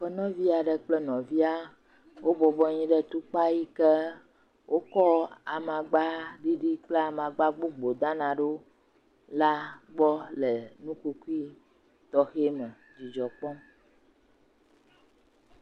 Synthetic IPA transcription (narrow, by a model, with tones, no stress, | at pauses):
ɸɛ˦nɔ̃˦vi˦a˨ɖə˨k͡plɛ˦nɔ̃˨vi˦a˦ | wo˦bɔ˨bɔ˦ɲĩ˦ɖɛ˦t̪u˦k͡pa˦ji˦kɛ˦ | wʔo˦kɔ˦a˨mã˨ɡ͡ba˦ɖi˦ɖi˦k͡ple˦a˨mã˨ɡ͡ba˦ɡ͡bo˦ɡ͡bo˨d̪ã˦nã˨ɖo˦ | la˦ɡ͡bɔ˦lɛ˨nũ˦ku˦ku˦i˦ | t̪ɔ˦xe˦mɛ̃˨ | d͡ʒi˨d͡ʒɔ˨k͡pɔ̃˦